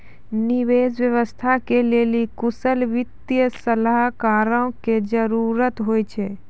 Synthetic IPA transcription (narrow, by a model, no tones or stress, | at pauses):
niʋeːsʋjəʋəst̪ʰakeleːlikʊsəlʋɪt̪jəsəlaɦkaːɾõked͡ʒəɾuːɾət̪ɦoːjt͡ʃʰe